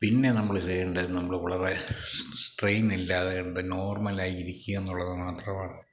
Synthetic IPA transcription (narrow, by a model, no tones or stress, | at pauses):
pinːe̞nɐmːɐɭɨt͡ɕejeɳɖɨnɐmːɐɭɨʋɐɭɐre̞sʈrejnilːaːðeɐɳɖɨno̞ːrmɐlaːjiiɾikʲːuɣɐenːuɭːɐðɨmaːt̪rɐmaːɳɨ